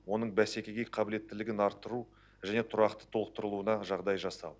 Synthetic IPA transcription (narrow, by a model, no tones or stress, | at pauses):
wo̞nəɴbæse̞kʲe̞ɡʲe̞qʰɑbɪle̞t̪ːɪlɪɡʲɪnɑɾt̪ːəɾu | ʒæne̞t̪ʰʊɾɑqt̪ə̥t̪ʰolˠəq̚t̪əɾəlˠuənɑʒɑʁd̪ɑjʒɑsɑ̰w̪ˠ